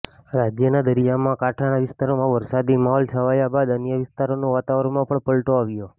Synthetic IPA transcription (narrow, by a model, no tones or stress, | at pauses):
ɾad͡ʒjənad̪əɾijamãkaʈʰanaʋɪst̪aɾomãʋəɾsad̪imaɦɔlsʰəʋajabad̪ənjəʋɪst̪aɾonoʋat̪aʋəɾəmãpəɳpəlʈoaʋjo